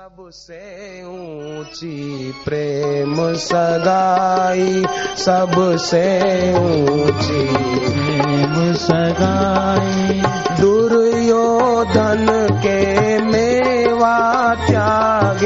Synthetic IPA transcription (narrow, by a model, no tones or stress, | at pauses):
ɐb | seũt͡ʃipɾeːmsəɡaisəbseũt͡ʃiemsəɡaːid̪ʊɾjoːd̪ʱənkemeʋaːt̪jaɡ